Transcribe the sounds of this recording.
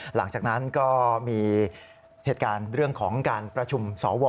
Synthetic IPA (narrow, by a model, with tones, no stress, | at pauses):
la˩˦ŋt͡ɕaː˨˩k̚na˦˥nkɔː˥˩miː˧ | heː˨˩t̪̚kaː˧nɾɯ˥˩əŋkʰɔː˩˦ŋkaː˧npɾa˧t͡ɕʰu˧msɔː˩˦wɔː˧